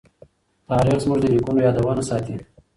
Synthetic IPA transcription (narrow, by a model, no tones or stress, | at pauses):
t̪ɑːɾixzmʊʐd̪əlikunojɑd̪awɑnasɑt̪i